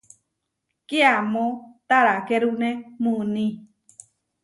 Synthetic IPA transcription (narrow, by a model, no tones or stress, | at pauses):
keamõt̪aɾakeɾunẽmũnĩ